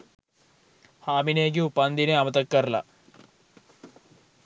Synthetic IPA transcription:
haːmineːɡiupɐnd̪ineɐmɐt̪ɐkːɐrlɐ̰

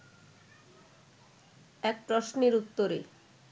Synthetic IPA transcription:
ɛk̚pɾɔʃneɾut̪ːoɾḛ

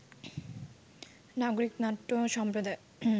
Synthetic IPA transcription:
naɡoɾiknaʈːoʃɔmpɾod̪a

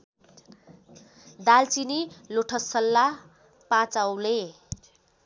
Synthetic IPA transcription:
d̪alt͡siniloʈʰʌsʌlːa | pãt͡sawle

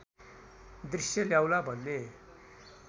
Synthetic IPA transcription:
d̪risjʌljawlabʱʌnːe

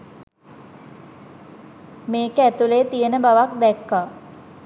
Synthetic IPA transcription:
meːkəæt̪uleːt̪ijənəbaʋak̚d̪ɛkːa

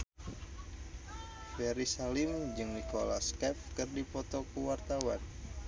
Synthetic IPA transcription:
fɛɾisalimd͡ʒɨŋnikola̰skɛfkɨrdipɔt̪okəwart̪awan

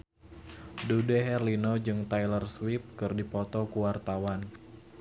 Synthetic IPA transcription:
dudɛɦɛrlinod͡ʒɨŋt̪ajlərswɪp̚kɨrdipɔt̪ɔkuwart̪awan

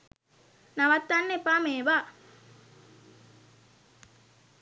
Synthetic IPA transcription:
naʋat̪ːanːepaːmeːʋa

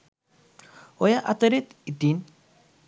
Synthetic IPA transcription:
ojaʔat̪əɾet̪it̪in

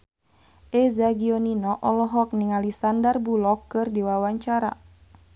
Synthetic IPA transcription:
ʔɛzaɡiɔninɔʔɔlɔɦɔk̚niŋalisandarbulɔkːɨrdiwawaɲt͡ʃaɾa̰

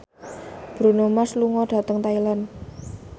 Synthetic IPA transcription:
b̥ɾunomasluŋɔɖ̥ä̤t̪əŋt̪ailan

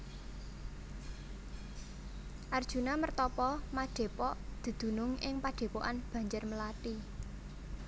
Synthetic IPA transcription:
ʔard̥ʒ̥ṳnamərt̪ɔpɔmaɖ̥e̤pɔʔd̪̥ə̤d̪̥ṳnʊŋɪŋpaɖ̪̥e̤pɔʔanb̥ä̤ɲd͡ʒʊrməlat̪i

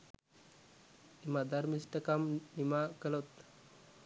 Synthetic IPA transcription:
imad̪aɾmisʈəkamnimakəlot̪

